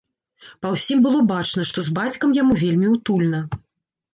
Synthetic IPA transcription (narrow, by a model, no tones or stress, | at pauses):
pɐwsʲimbɨlˠɔbat͡ʂnɐʂt̪ɔzbat͡sʲkɐmjamuvʲelʲmʲiwt̪ulʲnɐ